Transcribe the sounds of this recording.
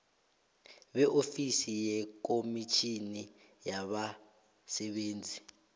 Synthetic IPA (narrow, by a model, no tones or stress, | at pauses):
ɓɛʔofisijɛk̬omit͡ʃʰini | jaɓa | sɛɓeːnd͡zʱi